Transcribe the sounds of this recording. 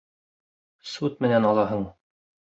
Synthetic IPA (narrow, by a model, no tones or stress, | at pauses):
sut̪̚mɘ̆nænɑlˠɑɦɤɴ